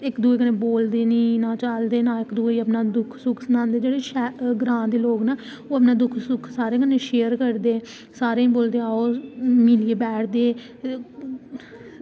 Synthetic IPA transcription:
ɪkd̪uːeːkənẽːboːld̪eːnĩːnãːt͡ʃald̪eːnãːɪkd̪uːeiːəpnaːd̪ʊkʰsʊkʰsənãːnd̪eːd͡ʒeːɽeːʃɛːɡɾãːd̪eːloːɡnaː | oːəp̬naːd̪ʊkʰsʊkʰsaːɾeːkəneːʃeːəɾkəɾd̪eː | saːɾeːĩːboːld̪eːaːoːmiːlieːbɛːʈʰd̪eː

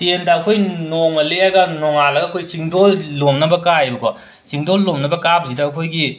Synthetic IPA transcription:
tendɐːkʰojnoŋɐleaɡɐnɔŋalɐɡɐɐkʰojsiŋdollomnɐbɐkajbɐkɔ | siŋdolːomnɐbɐkab̚zidɐːkʰojɡi

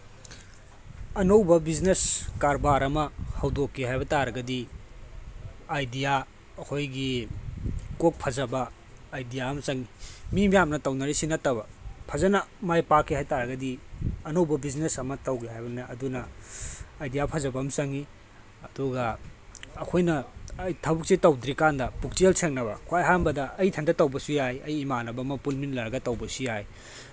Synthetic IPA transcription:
ɐnowbɐbizneskaɾbaɾɐmɐhɐwdokːiɦajbɐtaɾɐɡɐdi | ajdija | ɐkʰojɡi | kok̚pʰɐzɐbɐː | jdijaɐmɐsɐŋimimijamnɐtɐwnɐɾisinɐtːɐβɐpʰɐzɐnɐmajpakʰːihajtaɾɐɡɐdiɐnɐwbɐbiznesɐmɐtɐwɡeɦajbɐneʔɐdunɐː | jdijapʰɐzɐbɐmsɐŋi | ɐduɡɐː | kʰojnɐɐjtʰɐbuk̚sitɐwdɾikandɐpuk̚t͡ʃelsʰeŋnɐβɐkʰojɦanbɐdɐʔːjtʰɐndɐtɐwbɐsujajɐjːmanɐbɐmɐpulminlɐɾɐɡɐtɐwbɐsijaj

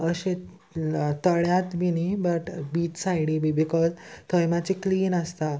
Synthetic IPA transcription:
əɕe | t̪əɭjat̪ʋinibəʈbiːt̪sajɽibibikɔzt̪ʰəjmat͡ɕikliːnəst̪a

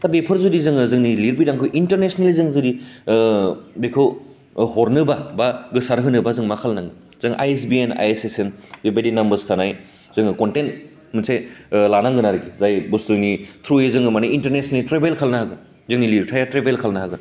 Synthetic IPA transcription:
sabepʰɯɾzudizɯŋɯzɯŋniliɾbidaŋkʰujʔintɐɾnesnelizɯŋzɯɾi | bekʰɯw | ɦɔɾnɯbabaɡɯsaɾɦɯnɯbazɯŋmakʰalnaŋɯ | zɯŋʔa̰jes̬biena̰jesesenbebedinɐmbɐɾstʰanaj | zɯŋɯkontent | mɯnsajlanaŋɡɯnaɾɯɡizajbusɾɯnitʰɾuezɯŋɯmaniintɐɾnesneltɾebʱelkʰalnaɦaɡɯ | zɯŋniliɾtʰajatɾebelkʰalnaɦaɡɯn

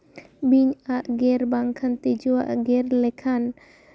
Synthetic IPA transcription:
biɲaʔɡɛrbaŋkʰant̪id͡ʒua̰ʔɡɛrlɛkʰan

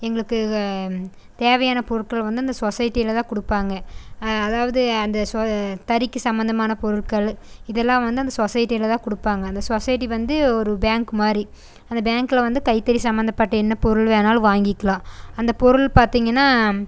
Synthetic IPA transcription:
ɛŋɡɐɭɯkːɯ | t̪eːʋɐjaːnɐpɔɾɯɭkɐɭʋɐnd̪ɯɐnd̪ɐsɔsɐjɪʈːijɪlɐt̪ãːkʊɽɯpːaːŋɡɐːðaːʋɐðɯɐnd̪ɐst̪ɐɾɪkːɯsɐmbɐnd̪ɐmaːnɐpɔɾɯɭkɐɭɪðɛlːãːʋɐnd̪ɯɐnd̪ɐsosɐjɪʈːijɪlɐt̪ãːkʊɽɯpːaːŋɡɐːnd̪ɐsoːsɐjɪʈ̬ːiʋɐnd̪ɯɔɾɯbaːŋkɯmaːɾi | ɐnd̪ɐbaːŋkɪlʋɐnd̪ɯkɐɪt̪ːɐɾisɐmbɐnd̪ɐpːɐʈːɐɛnːɐpɔɾɯɭʋeːnaːlʋaːŋɡɪkːɐɭãːɐnd̪ɐpɔɾɯɭpaːɾt̪iːŋɡɐnːaː

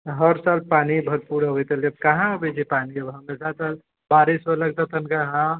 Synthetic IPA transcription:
ɦəɾsaːlpaːnibʱɐɾpuɾɦojt̪elɐb̚kɐɦãbed͡ʒʰipaːniɐbɦɐmesat̪al | baːɾisələɡ̚t̪ɐt̪ɐnkaɦã

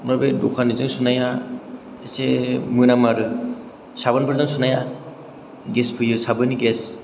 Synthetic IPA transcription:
mɯɾbedokʰanizɯŋsunaja | esemɯnamaɾɯ | sabɯnbɯɾzɯŋsunaja | ɡespʰɯjɯsabɯniɡes

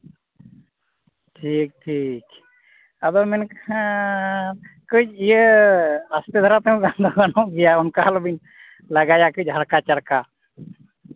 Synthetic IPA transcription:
ʈʰik̚ʈʰik | ad̪ɔmɛnkhã | kəd͡ʒijə | ast̪ɛd̪ʱaɾat̪ɛũɡand̪ʱɔɡanɔ̃ʔɡɛjaɔnkaɦalɔbin | laɡajakəd͡ʒɦaɽkat͡ʃaɽka

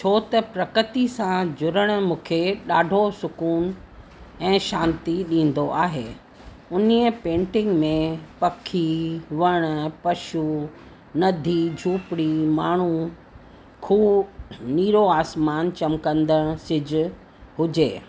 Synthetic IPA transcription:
t͡ɕʰoːt̪ɐpɾɐkət̪isãd͡ʑʊɾəɽ̃̆mũːkʰeɗaːɖʱosʊkuːn | ɛ̃ːʃãːnt̪iɗĩːn̆d̪oʔaːɦeː | ʊniəpẽːɳʈɪ̃ŋɡmẽpɐkʰːiʋɐɽ̃pɐʃu | nɐd̪ʱid͡ʑʱuːpɽimaːɳ̤u | kʰuːniːɾoaːsmaːnt͡ɕɐmkə̃nd̪əɽ̃sɪd͡ʑʊ | ɦʊd͡ʑḛː

